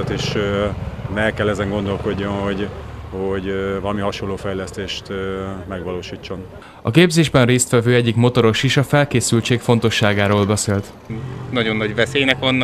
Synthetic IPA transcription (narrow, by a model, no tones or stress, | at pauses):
t̪eːʃ | nɛlkɛlːɛzɛŋɡo̞nd̪o̞lko̞ɟːo̞mho̞ɟhoɟvɒlɒmiɦɒʃolːoːfɛjlɛst̪eːʃt̪mɛɡʋɒloːʃiːt͡ʃːo̞n | ɒ̰keːbzeːʒbɛnreːst̪ʋɛvøːɛɟːikmo̞t̪o̞ɾo̞ʃiʃɒfɛlkeːsylt͡ʃeːkfo̞nt̪o̞ʃːaːɡaːɾoːlbɛseːlt̪ | nɒɟo̞nːɒɟvɛseːjnɛkvɒnː